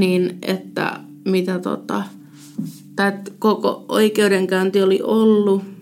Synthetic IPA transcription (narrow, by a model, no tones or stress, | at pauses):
ninʔḛt̪ːæ̰ | mit̪æt̪o̰t̪ɑ̰ | t̪æt̪koko̰ʔo̰ikeudeŋkæynt̪ioliʔolːu